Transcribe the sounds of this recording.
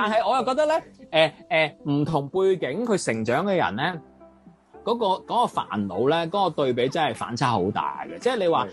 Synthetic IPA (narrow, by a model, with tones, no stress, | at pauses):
t̪aː˨nhɐ˨jʔɔː˨˧jɐ˨wkɔː˧k̚t̪ɐ˥lɛː˥ʔɛː˨ʔɛː˨m̩˨˩t̪ʰʊ˨˩ŋpuː˧jkɪ˨˥ŋkʰɵ˨˧ɥsɪ˨˩ŋt͡ʃœː˨˥ŋkɛː˧jɐ̰˨˩nlɛː˥ | kɔː˨˥kɔː˧kɔː˨˥kɔː˧fa̰ː˨˩nlo̰˨˧wlɛː˥k̬ɔː˨˦˥kɔː˧t̪ɵ˧ɥp̬e˨˥jt͡sɐ˥nhɐ˨jfa̰ː˨˥nt͡sʰaː˥ho˨˥wt̪a̰ː˨˩jɡɛ˧t͡sɛː˥˩le˨˧jwaː˨